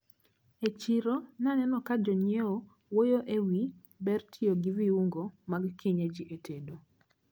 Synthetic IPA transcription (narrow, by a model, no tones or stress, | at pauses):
et͡ʃiɾonanɛnɔkad͡ʒɔɲeo | wojoʔewi | bɛrtʰioɡiviuŋɡomaɡkʰiɲed͡ʒiʔetʰedo